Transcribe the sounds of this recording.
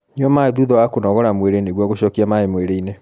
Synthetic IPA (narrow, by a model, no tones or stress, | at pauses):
ɲiɔmaðuðɔwakonɔɣɔɾamweɾeneɣwɔɣoɕɔkiamaemweɾeine